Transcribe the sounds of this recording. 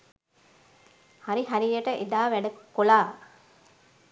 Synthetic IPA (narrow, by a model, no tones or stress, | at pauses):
haɾiɦaɾijəʈəʔed̪aːʋæɖɐkolaː